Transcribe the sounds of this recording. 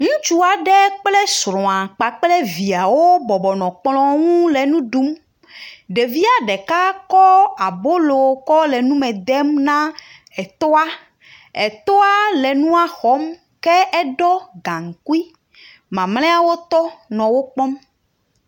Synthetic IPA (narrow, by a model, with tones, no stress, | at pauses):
ŋũ˦t͡ʃu˦a˨ɖɛ˦k͡plɛ˦sɾɔ̃˨a˨k͡pa˨k͡plɛ˦vi˨a˨wo˦bɔ˨bɔ˨nɔ̃˨k͡plɔ̃˦ŋũ˦le˨nũ˦ɖu˦m | ɖe˨vi˦a˨ɖɛ˨ka˦kɔ˦a˨bo˦lo˨kɔ˦lɛ˨nũ˦mɛ̃˨d̪ɛ˦mnã˦ | ɛ˨t̪ɔ˦a˦ | ɛ˨t̪ɔ˦a˦lɛ˨nũ˦a˨xɔ˨˦m | kɛ˦ɛ˦ɖɔ˦ɡã˨ŋ̩˨ku˦i˦ | mã˨mlɛ̃˦a˨wo˦t̪ɔ˦nɔ̃˨wo˦k͡pɔ˦m